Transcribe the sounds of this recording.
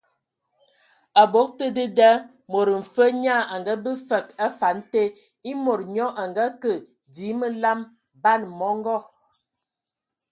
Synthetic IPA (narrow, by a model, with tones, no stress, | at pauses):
a˨bo˦k̚tə˦də˦də˦ | mo˨ɾə˨m̩˨fə˦ɲa˦˨a˨ŋɡa˦bə˦fə˨ka˦fa˨˦n˦te˦ | i˦mo˨ɾɲɔ˦ʔa˨ŋɡa˦kə˨ | di˨˦mə˦la˦m | ba˦˨nmɔ˨˦ŋ˦ɡɔ˦˨